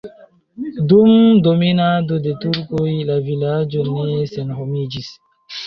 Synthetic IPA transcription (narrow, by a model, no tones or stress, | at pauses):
dumdominadodetuɾkojlavilad͡ʒonesenɦomid͡ʒis